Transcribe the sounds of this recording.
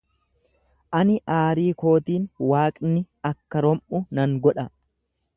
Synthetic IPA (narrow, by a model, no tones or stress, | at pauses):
ʔɐnɪʔaːɾiːko̞ːt̪iːnwaːkʼnɪ | ɐkːɐɾɔmʔʊnɐŋɡɔᶑɐ